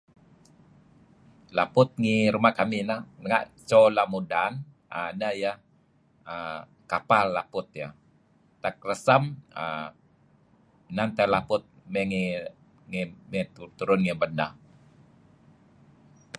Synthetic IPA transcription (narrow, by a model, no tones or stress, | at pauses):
lapʊt̪̚ŋiɾumaʔkaminahnəŋa̰ʔt͡ʃolamudan | a̰nəjah | ə | kapalːapʊt̪̚ja | t̪ak̚rəsamə̰ | nant̪əlapʊt̪̚mɛŋi | ŋimit̪ut̪uɾʊnŋibəna